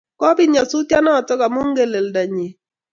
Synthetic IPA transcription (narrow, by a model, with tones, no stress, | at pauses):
kɔ˦bi˦ɲa˨su˦tja˦nɔː˦˨tɔ˦ɡa˨mo˦ŋɡe˨le˨lda˨ɲe˨